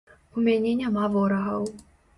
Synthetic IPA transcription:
umʲanʲɛnʲamavɔɾɐɣɐw

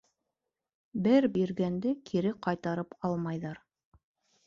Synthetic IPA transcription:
bɘɾbiɾɡænd̪ɘkʰiɾɘqɑjt̪ɑɾɤpɑlˠmɑjðɑɾ

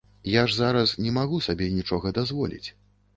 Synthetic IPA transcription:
jaʐzaɾɐsnʲɛmaɣusabʲɛnʲit͡ʂɔɣɐd̪azvɔlʲḭt͡sʲ

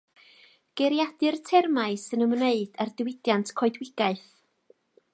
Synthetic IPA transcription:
ɡ̥ɛɾjadɨrtʰɛrmaɨsɨnəmneɨd̥ardwɪdjantʰkʰɔɨdwɪɡ̥aɨθ

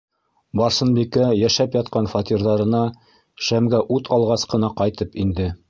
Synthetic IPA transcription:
bɑɾsɤ̆nbikæjæʃæpjɑt̪̚qɑnfɑt̪iɾðɑɾɤ̆nɑ | ʃæmɡæʔut̪ʰɑlˠʁɑsqɤ̆nɑqɑjt̪ɤpind̪ɘ

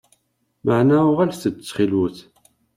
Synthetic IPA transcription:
maʕnæʊʁælsθət͡sːχilwəθ

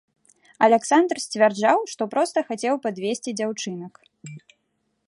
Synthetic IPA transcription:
ɐlʲɛksand̪rsʲt͡sʲvʲard͡ʐawʂt̪ɔpɾɔst̪ɐxat͡sʲɛwpad̪vʲesʲt͡sʲid͡zʲawt͡ʂɨnɐk

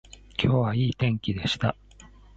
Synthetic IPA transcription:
kʲʰo̞ːβaiːt̪ẽ̞ŋkʲid̪e̞ɕi̥t̪a

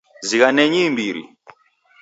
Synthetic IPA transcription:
ziɣanɛɲimbiɾḭ

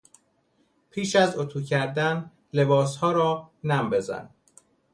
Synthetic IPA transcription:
pʰiːʃæzot̪ʰuːcʰæɾd̪æn | le̞bɒːshɒːɾɒːnæmbe̞zæ̰n

